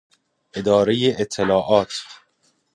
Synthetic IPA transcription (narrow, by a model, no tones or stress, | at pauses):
ʔed̪ɒːɾejeʔet̪ʰːelɒːʔɒːt̪ʰ